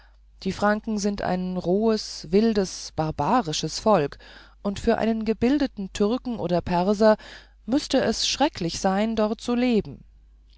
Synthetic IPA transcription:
d̥iːfʁ̥aŋkŋ̩zɪntʔa̰ɪnʁoːəsvɪldəsb̥aʁbaːʁɪʃəsfɔlkʔʊntfyːɐʔa̰ɪnənɡəbɪldətn̩tʰʏɐkŋ̩ʔoːdɐpʰɛɐzɐ | mʏstəɛsʃʁ̥ɛklɪçz̥aɪndɔʁt̚t͡suleːbm̩

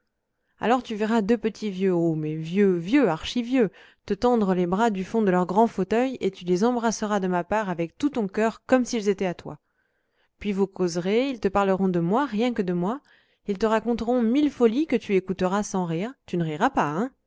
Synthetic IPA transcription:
a̰lɔʁt̪yvɛʁad̪øpət̪ʰivjøomɛvjøvjøaʁʃivjø | t̪ət̪ɑ̃d̪ʁəlebʁad̪yfɔ̃d̪əlœʁɡʁɑ̃fot̪œjet̪ylezɑ̃bʁasəʁad̪əmapaʁavɛk̚t̪ut̪ɔ̃kʲœʁkɔmsilzet̪ɛat̪wa̰ | pɥivukʰozʁeilt̪əpaʁləʁɔ̃d̪əmwaʁjɛ̃kəd̪əmwa | ilt̪əʁakɔ̃t̪əʁɔ̃milfɔlikət̪yekut̪əʁasɑ̃ʁiːʁt̪ynəʁiʁapaɛ̃

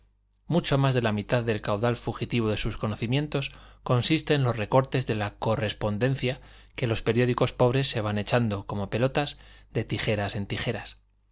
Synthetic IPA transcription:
mut͡ʃomazðe̞lamit̪aððe̞lkawðalfuxit̪iβ̞oð̞e̞suskono̞θimje̞nt̪o̞sko̞nsist̪e̞nlo̞sre̞ko̞ɾt̪e̞zðe̞lako̞re̞spo̞nd̪e̞nθjake̞lo̞spe̞ɾjo̞ðiko̞spo̞β̞ɾe̞sːe̞β̞ane̞t͡ʃand̪o̞ko̞mo̞pe̞lo̞t̪azðe̞t̪ixe̞ɾase̞nt̪ixe̞ɾas

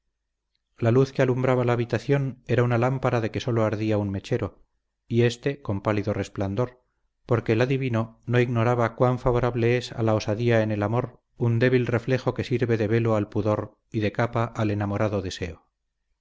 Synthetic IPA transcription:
laluθkealumbɾaβalaːβit̪aθjo̞ne̞ɾaunalampaɾaðe̞ke̞so̞lo̞aɾðiaunme̞t͡ʃe̞ɾo̞ | ie̞st̪e̞ko̞mpaliðo̞re̞spland̪o̞ɾ | po̞ɾke̞laðiβino̞no̞iɣno̞ɾaβakwaɱfaβo̞ɾaβle̞esa̰lao̞saðiaene̞lamo̞ɾ | und̪e̞β̞ilre̞fle̞xo̞ke̞siɾβe̞ðe̞βe̞lo̞alpuðo̞ɾ | iðe̞kapaʔːle̞namo̞ɾaðoðese̞o

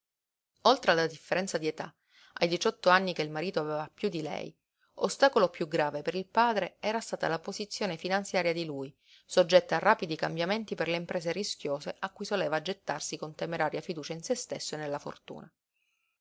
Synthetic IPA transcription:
olt̪ɾealːad̪ifːeɾɛnt̪sad̪iet̪a̰ | ʔa̰jd̪it͡ʃɔt̪ːoanːikeilmaɾiːt̪oavɛːvapjud̪ːilɛ̰j | o̰st̪aːkolopjuɡɾaːvepeɾilpaːd̪ɾeɛːɾast̪aːt̪a̰lapozit̪sːjoːnefinant̪sjaːɾjad̪iluːj | sod͡ʒːɛt̪ːaːrːaːpid̪ikambjament̪iperleimpɾeːzeriskjoːseʔakːujsoleːvad͡ʒet̪ːarsikont̪emeɾaːɾjafid̪uːt͡ʃainsest̪esːoenelːafo̰rt̪ṵːna

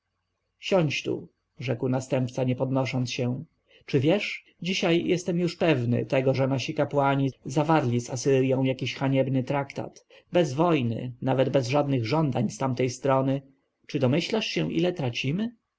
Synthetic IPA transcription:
ɕɔɲt͡ɕt̪ṵ | ʐɛkwnast̪ɛmpt̪saɲɛpɔd̪nɔʂɔnt̪sɕɛ | t͡ʂɘvʲjɛʂ | d͡ʑiɕajjɛst̪ɛmjuʂpɛvnɘ̰t̪ɛɡɔʐɛnaɕikapwaɲizavaɾlʲizasɘɾjɔ̃w̃jakʲiɕxaɲɛbnɘt̪ɾakt̪a̰t̪ | bɛzvɔjnɘ̰navɛd̪bɛzʐad̪nɘɣʐɔnd̪aɲst̪amt̪ɛjst̪ɾɔnɘ | t͡ʂɘd̪ɔmɘɕlaʂɕɛ̃ʔḭlɛt̪ɾat͡ɕimɘ

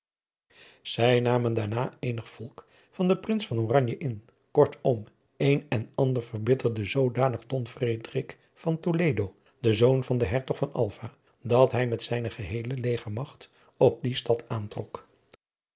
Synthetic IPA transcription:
z̥ɛjnaːməndaːɹnaːejnəχfɔlˠk | fɑndəprɪnsfɑnoːrɑɲjəʔɪn | kɔɹtʰɔm | ejnɛnɑndəɹvəɹbɪtəɹdəzowdaːnəχdɔnfredrɪk | fɑntolejdow | dəzownvɑndəɦɛɹtɔχfɑnɑ̰lˠva | dɑtɦɛjmɛtsɛjnəχəɦejləlejχəɹmɑχt | ɔb̚distɑtaːntrɔk

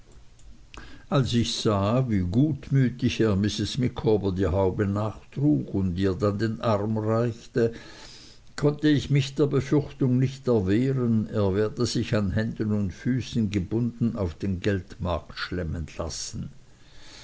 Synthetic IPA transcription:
ʔalsɪçz̥aːviːɡuːtmyːtɪçeːɐmɪsɪsmɪkʰoːbɐdiːɦaʊbənaːχd̥ʁuːkʊndiːɐdandeːnʔaʁmʁaɪçtə | kʰɔntəɪçmɪçd̥eːɐbəfʏʁçtʊŋnɪçtɛɐveːʁəneːɐvɛːɐdəz̥ɪçanɦɛndənʊntfyːsn̩ɡəbʊndn̩aʊfd̥eːnɡɛltmaɐktʃlɛmənla̰sn̩

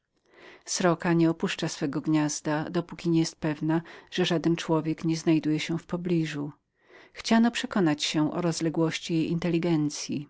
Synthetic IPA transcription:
sɾɔkaɲɛɔpuʂt͡ʂasfɛɡɔɡɲazd̪ad̪ɔpukʲiɲɛjɛst̪̚pɛvnaʐ̥ɛʐad̪ɛnt͡ʂwɔvʲjɛkɲɛznajd̪ujɛɕɛfpɔblʲiʐu | xt͡ɕanɔpʂɛkɔnat͡ɕɕɛʔɔ̰ɾɔzlɛɡwɔɕt͡ɕijejint̪ɛlʲːiɡɛnt̪sʲji

